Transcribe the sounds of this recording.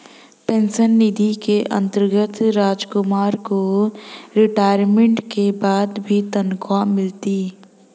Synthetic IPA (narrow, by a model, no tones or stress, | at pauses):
pẽnsənːɪd̪ʱikeʔə̰̃nt̪əɾɡət̪ɾaːd͡ʒkʊmaːɾko | ɾɪʈaːɪɾmẽɳʈkebaːd̪bʱit̪ənkʰwamɪlt̪i